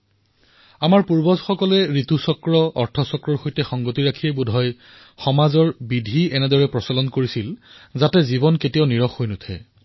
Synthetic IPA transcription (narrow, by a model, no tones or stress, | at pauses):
amaɹpuɹbɔzxɔkɔlɛɹitusɔkɹɔɔɹtʰɔsɔkɹɔɹxojtɛxɔŋɡotiɹakʰiɛbudʱɔj | xɔmazɔɹbidʱiɛnɛdɔɹɛpɹɔsalɔnkoɹisilzatɛzibɔnketianiɹɔxːojnʊtʰɛ̰